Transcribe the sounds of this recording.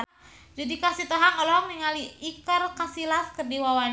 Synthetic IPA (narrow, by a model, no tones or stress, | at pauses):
d͡ʒadikasit̪ɔɦaŋɔlɔɦɔŋniŋaliikərkasilafkərdiwawan